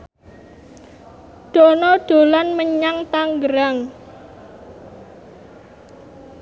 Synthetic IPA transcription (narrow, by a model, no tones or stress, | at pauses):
ɖ̥o̤nɔɖ̥o̤lanməɲaŋt̪aŋɡəɾaŋ